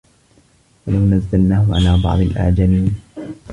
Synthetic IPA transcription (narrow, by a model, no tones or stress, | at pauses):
walawnazːalnaːhʊʕa̰laːbɑ̰ʕd̪ˤɪlʔa̰ʕd͡ʒaliːn